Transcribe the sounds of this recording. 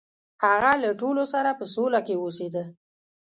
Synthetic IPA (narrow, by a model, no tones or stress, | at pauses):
haɣalaʈolosaɾapəsolakewosed̪ə